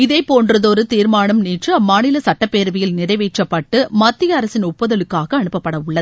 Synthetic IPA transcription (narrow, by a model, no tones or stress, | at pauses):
ɪðeːpːoːndrɐðoɾɯt̪iːɾmaːnɐmniːʈrɯɐmːaːnɪlɐsɐʈːɐpːeːɾʋɪjɪlnɪɾɐɪʋeːʈrɐpːɐʈːɯmɐt̪ːɪjɐːɾɐsɪnʊpːɐðɐlɯkːaːɣɐːnɯpːɐpːɐɽɐʊɭːɐðɯ